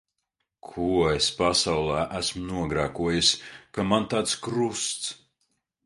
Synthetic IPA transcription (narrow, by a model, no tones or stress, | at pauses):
kʰuespasawlˠæːʔæsmnuɔɡɾaːkuɔjusʲkamant̪aːt̪skɾust̪s